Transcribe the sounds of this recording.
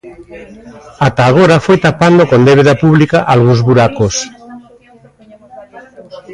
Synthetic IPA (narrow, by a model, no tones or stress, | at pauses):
at̪aːɣ̞oɾafojt̪apand̪okond̪eβ̞eðapuβlikaʔalɣunzβuɾakos